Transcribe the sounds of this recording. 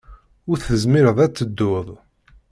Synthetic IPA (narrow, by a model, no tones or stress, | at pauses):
ʊɾθəzmiɾəðˤæt͡sːəd̪ːʊðˤ